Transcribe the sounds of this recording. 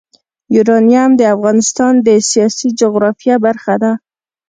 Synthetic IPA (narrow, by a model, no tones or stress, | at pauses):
juɾɑnijamd̪əafɣɑnɪst̪ɑnd̪əsijɑsid͡ʒʊɣɾɑfijabaɾxad̪a